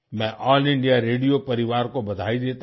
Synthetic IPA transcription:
mɛ̃ʔɔːlɪ̃ɳɖijaɾeːɖijopɐɾɪʋaːɾkobɐd̪ʱaːid̪eːt̪

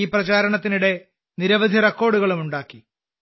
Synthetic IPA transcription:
iːprɐt͡ɕaːɾɐɳɐt̪̬ːinuɽe̞ | niɾɐʋɐd̪ʱirɐkːo̞ːɽuɣɐɭumuɳɖaːkːi

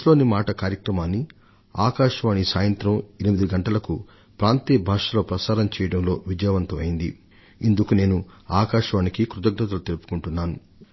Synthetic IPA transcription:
loːnimaːʈɐkaːɾjɐkɾɐmaːnːi | aːkaːʂɐʋaːnisaːjɐnt̪ɾɐmenimid̪iɡɐɳʈɐlɐku | pɾaːnt̪iːbʱaːʂɐlo̞ːpɾɐsaːɾɐmt͡ʃɛːjɐɽɐmlo̞ːʋid͡ʒɐjʋɐnt̪ɐmɐjind̪ḭ | ind̪ukune̞ːnuaːkaːʂɐʋaːnikikɾud̪ɐɡnɐt̪̬ɐlut̪elupu̥kuɳʈunːaːnu

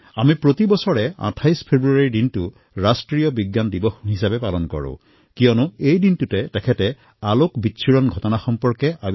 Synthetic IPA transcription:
amipɹotibɔsɔɹɛã̰tʰajspʰebɹuaaɹidintʊ | ɹastɹijɔbiɡːandibɔxɦisabɛpalɔnkɔ̰ɹʊ̰̃ | kijɔnʊejdintutɛtɛkʰɛtɛ | alokbitːsʰiɹɔnɡʱɔtɔnaxɔmpɔɹkɛʔa

